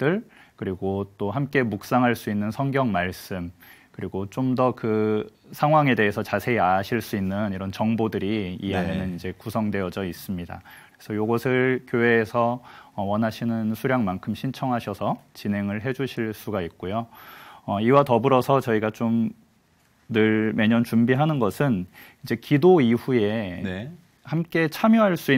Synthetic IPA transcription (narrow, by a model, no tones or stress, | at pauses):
t͈ɯɭkɯɾiɡot͈oɦamk͈e̞muk̚s͈aŋɦaɭs͈uinːɯnsʰʌŋɡjʌŋmaɭs͈ɯmkɯɾiɡot͡ɕ͈omdʌkɯ | sʰaŋɦwaŋe̞de̞ɦesʰʌt͡ɕasʰe̞iaɕʰiɭs͈uinːɯniɾʌnt͡ɕʌŋbodɯɾiːanenɯnind͡ʑe̞kusʰʌŋde̞ʌd͡ʑʌis͈ɯmɲida̰ | esʰʌjoɡʌsʰɯɭkjoɦe̞ːsʰʌːwʌnɦaɕʰinɯnsʰuɾjaŋmankʰɯmɕʰint͡ɕʰʌŋɦaɕʰʌsʰʌt͡ɕinɦe̞ŋɯɭɦe̞d͡ʑuɕʰiɭs͈uɡait̚k͈ojoʌiwatʌbuɾʌsʰʌt͡ɕʌiɡat͡ɕom | nɯɭme̞ɲʌnt͡ɕumbiɦanɯnɡʌsʰɯnid͡ʑe̞kidoiɸue̞ | hamk͈e̞t͡ɕʰamjʌɦaɭs͈ui